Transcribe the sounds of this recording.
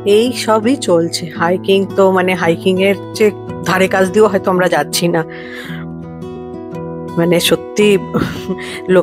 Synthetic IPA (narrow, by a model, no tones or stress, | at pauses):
ejʃɔbit͡ɕolt͡ɕʰehajkiŋt̪omaneɦajkiŋeɾd͡ʑe | d̪ʱaɾekat͡ɕʰd̪ioɦɔet̪oamɾad͡ʑatːɕʰina | maneʃot̪ːi | lo